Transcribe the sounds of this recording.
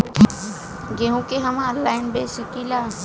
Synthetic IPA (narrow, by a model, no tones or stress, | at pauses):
ɡeɦũkeɦəmalːaːɪnbesikila